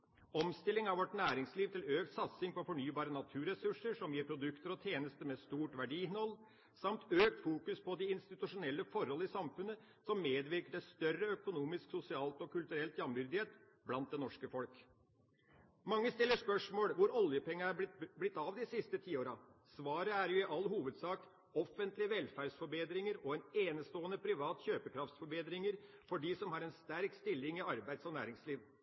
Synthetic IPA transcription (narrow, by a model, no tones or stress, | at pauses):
ɔmst̪ɪlːɪŋɑʋʋɔʈnæːɾɪŋsliːʋt̪ʰɪløːkt̪sɑt̪sɪŋpɔɾfɔɳyːbɑːɾənɑt̪ʰʉːɾɛsʉʂəʂɔmjiːɾpʰɾʊd̪ʉkt̪əɾɔt̪ʰjeːnəst̪əmɛst̪uːʈʋæɖiːɪnɔlː | sɑmt̪øːk̚t̪fuːkʉspʰɔd̪ɪɪnst̪ɪt̪ʉʂʊnɛlːəfɔɾhɔləɪsɑmfʉnːə | sɔmːeːd̪ʋɪɾkəɖɛst̪œɾəœkʊnuːmɪsksʊsɪɑːlt̪ɔkʉlt̪ʉɾɛlt̪jɑmʋʏɾd̪ɪheːt̪ | blɑnt̪̚d̪ɛnɔʂkəfɔlk | mɑŋːəst̪ɪlːəʂpœʂmoːlʋʊɾɔljəpɛŋːəæblɪt̪ːɑʋd̪ɪsɪst̪ət̪ʰiːoːɾɑsʋɑːɾəæɾjʊɪʔɑlːɦuːʋəd̪sɑːk | ɔfənt̪lɪʋɛlfæːɖsfɔɾbeːd̪ɾɪŋəɾɔɛneːnəst̪oːənəpʰɾɪʋɑːt̪çøːpəkʰɾɑft̪sfɔɾbeːd̪ɾɪŋəɾfɔɖisɔmhɑɾɛnst̪æɾkst̪ɪlːɪŋɪɑɾbæɪd̪sɔnæ̰ːɾɪŋsliːʋ